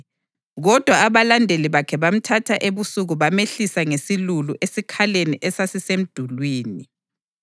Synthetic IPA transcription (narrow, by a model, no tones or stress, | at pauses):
ɣɔd̥ʱwaːβalandʱeliβakʰɛβam̩tʰatʰaʔeβusuɣuβameɬisaŋesiluluʔesikʰaleniʔɛsasisem̩d̥ʱulwiːni